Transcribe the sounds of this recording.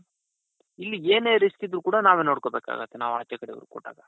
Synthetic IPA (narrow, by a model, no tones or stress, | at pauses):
ilːieːneːɾiskid̪ɾukuːɽɐnaːʋeːnoːɽkobeːka̰ːɡɐt̪ʰːenaːʋaːt͡ʃɛkɐɽɛ̰ʋɐɾukɔ̰ʈːa̰ːɡɐ